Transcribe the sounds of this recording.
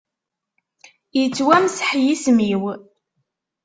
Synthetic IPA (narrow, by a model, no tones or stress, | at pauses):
jət͡sːwæmsħjismiw